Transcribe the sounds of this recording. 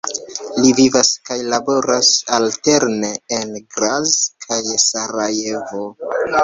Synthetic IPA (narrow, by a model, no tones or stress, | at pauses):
livivaskajlabo̞ɾasalte̞ɾne̞ːnɡɾazkʰajsaɾaje̞vo̞